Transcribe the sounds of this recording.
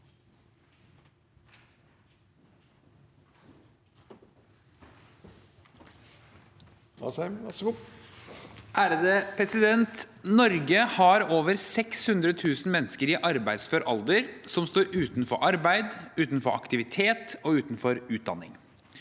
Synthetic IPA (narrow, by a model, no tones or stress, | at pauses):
ʔæːɾəd̪epʰɾɛsɪd̪ɛnt̪nɔɾɡəhɑɾoːʋəɾsɛkshʉnd̪ɾət̪ʰʉːsn̩mɛnskəɾɪʔɑɾbæɪd̪sfɔɾʔɔld̪əɾsɔmst̪uːɾʔʉːt̪nfɔ̰ɾʔɑɾbæɪd̪ʉːt̪n̩fɔɾɑ̰kt̪ɪʋɪt̪ʰeːt̪ɔʉːt̪nfɔɾʉːt̪̚d̪ɑ̰nːɪ̰ŋ